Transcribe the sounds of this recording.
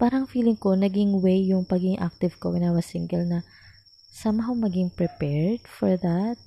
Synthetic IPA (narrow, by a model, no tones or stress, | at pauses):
paːɾɐŋfiːlɪŋko̞nɐɡɪŋwejːʊŋpɐɡiɡɪŋʔa̰k̚t̪ɪvkoɡɪnaːwɐsɪŋɡɛlnɐ | saːmɐɦoŋmɐɡɪŋpɾɛpɛɹd̪̥fɔɹðɐt̪̚